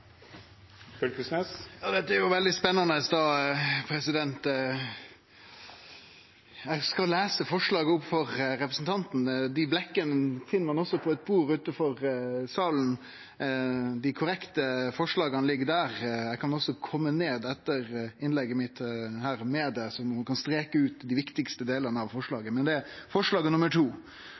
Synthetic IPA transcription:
fœlkəsnɛːsjɑːd̪ɛt̪ːəæɾjʊʋɛld̪ɪspɛnːɑnəsd̪ɑːpʰɾɛsɪd̪ɛnt̪ | æɪɡskɑlæːsəfɔʂɭɑːɡəʊpfɔʁɾɛpɾəsn̩t̪ʰɑnt̪n̩d̪ɪblɛkːənəfɪnːəmɑnɔsːɔpʰɔɛt̪̚buːɾʉːt̪əfɔʁsɑːln̩ | d̪ɪkʰʊɾɛkt̪əfɔʂɭɑːɡɑnlɪɡːəd̪æːɾɛɪkʰɑnɔsɔkʰɔmːəneːd̪ɛt̪ːəɾɪnlɛɡːəmɪt̪hæːɾmɛd̪ɛsɔmmɑnkɑnst̪ɾeːkəʉːt̪d̪ɪʋɪkt̪ɪkst̪əd̪eːlənəɑʋfɔʂɭɑːɡəmɛnd̪ɛfɔʂɭɑːɡənʊmːəʈʰuː

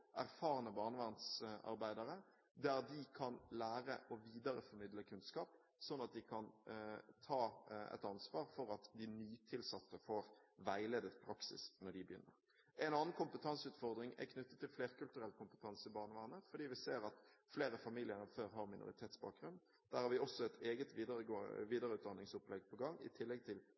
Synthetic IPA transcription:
ʔæ̰ɾfɑːɾənəbɑːʁnəʋæɾnsɑ̰ɾbæɪd̪ɑɾə | d̪ææɾd̪ɪkʰɑnlæːɾə̰ʔɔʋiːd̪ɑɾəfɔɾmɪd̪ləkʰʉnskɑːp | sɔnːɑt̪̚d̪ɪkʰɑnt̪ʰɑːɛ̰t̪ɑnsʋɑːɾfɔɾɑt̪d̪ɪnyːt̪ʰɪlsɑt̪ːəfɔɾʋæɪleːd̪ət̪pʰɾɑksɪ̰snɔɾd̪ɪbəjʏ̰nːə̰ɾ | ʔɛnɑːnənkʊmpət̪ʰɑnsʉːt̪fɔɾd̪ɾɪŋɛ̰kʰnʉt̪ːət̪ʰːɪlfleːɾkʉlt̪ʉɾɛlt̪kʰʊmpə̥t̪ʰɑnsɪbɑːnəʋɑːnəfɔɾd̪iːʋɪseːɾɑt̪fleːɾəfɑmiːlɪənəføːɾɦɑɾmɪnʊ̰ɾɪ̰t̪ʰeːt̪sbɑ̰ːk̚ɡɾʉnd̪ | d̪̥æːɾhɑɾʋɪɔsɔɛt̪ʰeːɡət̪ʋiːd̪əʋiːd̪ɑɾəʉːt̪̚d̪ɑnːɪŋsʊplɛɡpʰɔɡɑŋːɪ̰t̪ʰɪlːɛɡ̚t̪ʰɪl

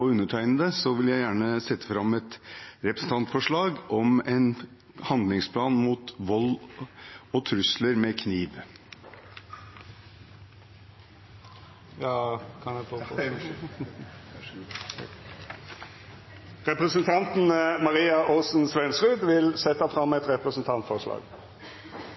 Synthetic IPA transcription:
ɔʉnːəʈʰæɪnəd̪əsɔʋɪljæɪjæːɳəsɛt̪ːə̥fɾɑmːɛt̪ɾɛpɾəsn̩t̪ɑnt̪fɔʂɭɑːɡʔɔmɛn | hɑnd̪lɪŋspʰlɑːnmuːt̪ʋɔl | ɔt̪ʰɾʉsləɾmekʰniːʋ | jɑːkʰɑnɛfɔ | ʁɛpʁəsənt̪ʰɑnt̪n̩mɑʁiːɑʔɔsn̩sʋɛnsʁʉːd̪ʋɪlsɛt̪ːɑfʁɑmɛt̪ɾɛpʁəsn̩t̪ʰɑnt̪fɔʁʂlɑ̰ːɡ

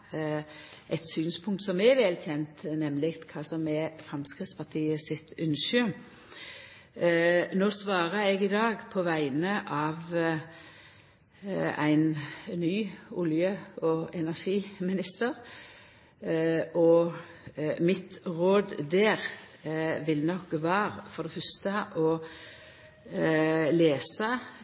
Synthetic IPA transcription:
ʔɛt̪syːnspʰʊŋk̚t̪sɔmɛʋɛːlçɛnt̪nɛmlɪɡt̪kʰɑːsɔmɛfʁɑmskʁɪt̪spɑt̪ʰiːəsɪt̪ʉnʃʉ | noːsʋɑːʁəɛɡɪd̪ɑːɡpʰɔʋæɪnəʔɑːʋ | æ̰ɪnnyːʊljøːɔɛnæʁʃiːmɪnɪst̪əʁ | ʔɔ | mɪt̪ʁoːd̪d̪eːʁ | ʋɪlnɔkʋɑːʁfɔʁd̪ɛfœʁst̪əʔɔ | leːsə

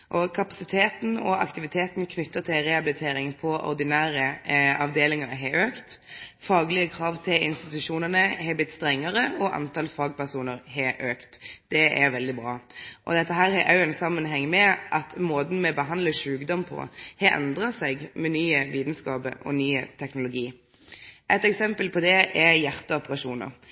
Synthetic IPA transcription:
ʔɔkʰɑpɑsɪt̪ʰeːt̪n̩ɔ̰ɑ̰kt̪ɪʋɪt̪ʰeːt̪nkʰnʏt̪ːət̪ʰɪlɾɛɑbɪlɪt̪ʰeːɾɪŋpʰɔʔɔ̰ɾd̪ɪnæːɾəɑʋd̪eːlɪŋɑɾɦɛøːkt̪fɑːɡlɪəkʰɾɑːʋt̪ʰɪlɪ̰nst̪ɪt̪ʉʂuːnəʁnəhɛblɪt̪ːst̪ɾɛŋːəɾəɔʔɑ̰nt̪ɑlfɑːɡ̚pæsuːnəɾhɛøːkt̪d̪̥ɛʔɛɾʋɛld̪ɪbɾɑːʔɔd̪ɛt̪ːəɦæːɾhɛʔɑʉɛnsɑmːənɦɛŋːmɛʔɑt̪moːd̪n̩mɛbəɦɑnd̪ləʂʉːkd̪ɔmpʰɔ̰hɑʔɛ̰nd̪ʁɑsɛɡmɛnyːəʋiːd̪n̩skɑːbə̰ɔ̰nyːət̪ʰɛknʊlʊɡiː | ʔɛt̪ɛksɛmpəlpʰɔd̪ɛʔɛjæʁt̪əɔpəʁɑʂuːnə̰ɾ

